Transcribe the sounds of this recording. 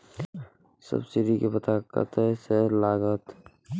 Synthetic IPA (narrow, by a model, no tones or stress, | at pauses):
sə̰bsiɾikepət̪akə̰t̪eselaːɡət̪